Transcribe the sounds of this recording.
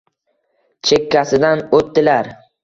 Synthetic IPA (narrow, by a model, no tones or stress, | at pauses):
t͡ʃʰe̞kʲːasɪd̪anot̪ːɪlaɾ